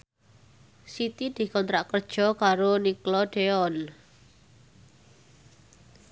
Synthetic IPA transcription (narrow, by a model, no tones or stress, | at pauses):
sit̪id̪̥i̤kɔnt̪ɾaʔkərd̥ʒ̥ɔ̤kaɾoniklɔɖ̥eɔn